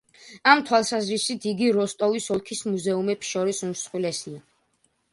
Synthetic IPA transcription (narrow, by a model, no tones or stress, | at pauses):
amt̪ʰwalˠsazɾisit̪ʰiɡiɾɔst̪ʼɔvisɔlˠkʰismuzɛumɛpsʃɔɾisumsχwilɛsia